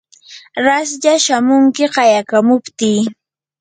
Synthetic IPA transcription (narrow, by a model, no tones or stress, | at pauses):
ɾasʎaʃamʊŋkɪɢɑjakamʊpt̪iː